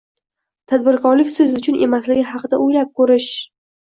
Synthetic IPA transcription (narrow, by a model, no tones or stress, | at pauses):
t̪ʰad̪bɪɾkɒɾlɪkʲsɵzʊt͡ʃʰʊnʔe̞̰maslɪɡʲɪɦɑqɨd̪aʔojlap̚kʰɵɾɪʃ